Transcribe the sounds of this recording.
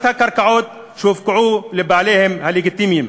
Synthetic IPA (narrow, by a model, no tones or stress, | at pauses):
θakːɑɾˤkaʕuːd̪̚ | ʃuːfkʊʕuːlɪbaʕleːhɪmhaliɡɪt̪ːiːmjɪm